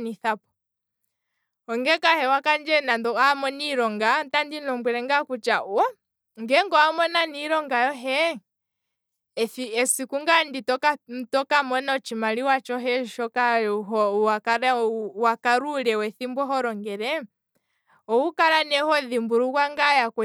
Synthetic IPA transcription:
niθapɔ̥ | ɔŋɡɛkahɛwakand͡ʒɛnadɔamɔniɾɔŋɡatandinɔmbwɛɾɛŋɡakut͡ʃauɔ | ŋɡɛŋɡɔamɔnaniɾɔŋɡajɔɦɛ | θiɛsikuŋɡanditɔkatɔkamɔnaɔt͡ʃimaliwat͡ʃɔɦɛʃɔkaɦɔwakaɾɛwakaɾuɾɛwɛθimbwɔɦɔɾɔŋɡɛɾɛ | ɔukaɾanɛhɔðimbuɾukwaŋɡajakɛ

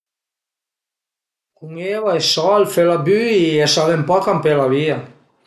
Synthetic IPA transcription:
kuŋeβaesɔlfelabyiesaðempɔkampelaβia

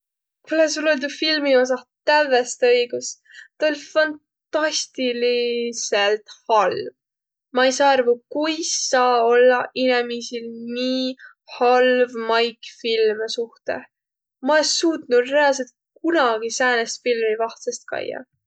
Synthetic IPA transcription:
kules̬uleld̪ufilmio̞s̬ɑt̪ævːest̪ɤjɡ̥us | t̪ɑolʲfɑntː | ɑsʲt̪ilise̞lt̪hɑlv | mɑejsɑːɑrvukujsːɑːo̞lːɑʔinemisilniː | hɑlvmɑjkfilmesuht̪e̞̰ | mɑesuːt̪nud̪re̞ɑls̬et̪̚ | k̚unɑɡ̥isæːnest̪filmivɑht̪sest̪̚kɑ̰jːɑ̰

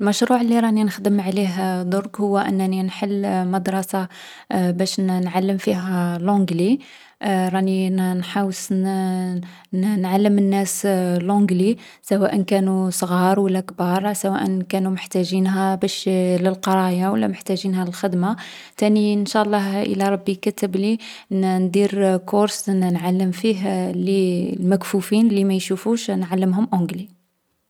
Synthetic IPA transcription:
əlmæʃɾuʕəlːiɾˤɑninəxd̪əmʕliɦd̪ˤʊɾˤkhʊwːæʔə̰nːæninħəlːmɑd̪ɾˤɑsa | bæʃnnʕalːəmfiɦælʕʊ̃ɡli | ɾˤɑninħɑwəs | nʕalːəmənːæslʕʊ̃ɡli | sæwæʔənkænusˤɣɑɾˤwəlːækbɑɾˤsæwæʔənkænuməħt̪æʒinɦæbæʃləlqɑɾˤɑjawəlːæməħt̪æʒinɦæləlxəd̪ma | t̪æninʃɑʔlˤːɑhʔə̰lːæɾˤɑbːikæt̪əbli | nd̪iɾkʊɾsnʕalːəmfiɦlilmækfufinlimæjʃufuʃnʕalːəmɦʊmʔʊ̃ɡli

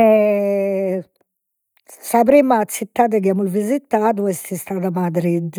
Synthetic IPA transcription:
ɛ | sapɾiːmat̪sit̪ːaːd̪ɛkiamulvizit̪ːad̪uɛst̪ist̪ad̪amad̪ɾid̪

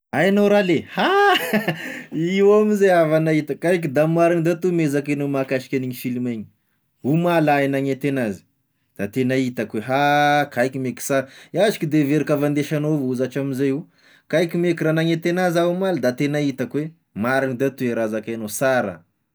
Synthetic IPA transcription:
ajanowɾaleha | iwamizejavanait̪əkajk̬id̪amaɾinid̪at̪umezakenomakaʃi̥kʲaniɲifilimeɲi | umalajnaŋet̪enazi̥ | d̪̥at̪enait̪akweɦakajkimeki̥saɾiazi̥kid̪eveɾikavand̪eʃanovuzaʈ͡ʂamizaju | kajkimekiɾanaŋet̪enazaumalad̪at̪enait̪akwe | maɾinid̪at̪ueɾazakanosaɾə̰

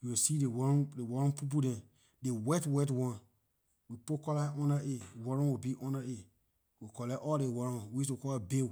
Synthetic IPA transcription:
wiwisidewɔɔ̃dewɔɹɔ̃npip̬udɛ̃n | dewɛtwɛtwɔ̃n | wipokɔlaɔ̃naʔewɔɹɔ̃nwibiʔɔ̃nae | wikɔlɛʔɔldewɔɹɔ̃nwiistukɔlabew

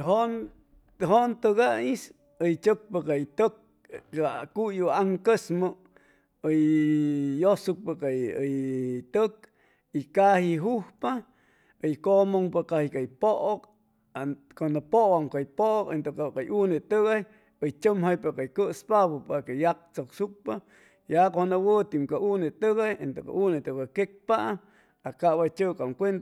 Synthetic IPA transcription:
ɦon | ɦont̪ɨɣais | əjt͡ʃək̚pakajt̪ək̚ | akujuaŋkəsmo | əj | josuk̚pakajəjt̪ək̚ | ikahiɦuhpa | əjkomoŋpakahikajpoʔok | konapoʔwaŋkajpoʔokent̪okakajunet̪ɨɣaj | əjt͡ʃəmɦajpakajkəʔspaβopakajak̚t͡soksuk̚pa | jakohonawət̪imkaunit̪ɨɣajent̪oka̰unet̪ukakek̚paʔ | akaβajt͡ʃɨkamkʷent̪

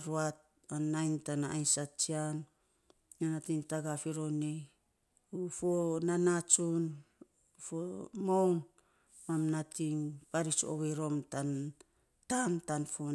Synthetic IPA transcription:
ɾuat̚ | anːajntanaajnsat͡ʃian | nanatiŋtaɡafiɾo̞nej | ufonanat͡ʃun | ufomon | mamnatiŋpaɾit͡ʃo̰βejɾo̞mtan | tantanfo

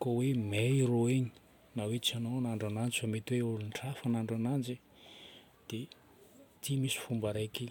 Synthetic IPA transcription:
kowemeiɾoeɲi̥ | nawet͡sanoanaɳɖ͡ʐanand͡ʒifamet̪iweulunʈ͡ʂafanaɳɖ͡ʐanand͡ʒe | d̪̥e | t̪ʰimisi̥fumbaɾajke

